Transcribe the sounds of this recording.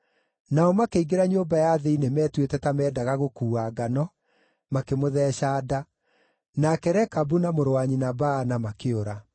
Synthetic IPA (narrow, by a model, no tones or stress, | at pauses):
naɔmakeiɡeɾaɲoːbajaðeinemɛːtwetɛtamɛːdaɣaɣokuːaɡanɔ | makemoðɛːɕaːda | nakɛɾɛkabunamoɾowaɲinabanamakeoɾa